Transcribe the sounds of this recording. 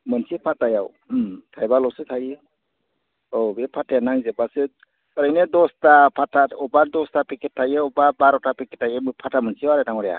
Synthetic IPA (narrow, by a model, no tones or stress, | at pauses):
mənsʰipʰatːajaw | tʰajbalɔsɯtʰajɯ | ɔbepʰatajanaŋzebasɯ | kəɾajnedɔstapʰataɔbadɔstapiketʰːajɯɔbabaɾɔtapiketːajɯmɯpʰatamənsiwaɾetaŋɔɾja̰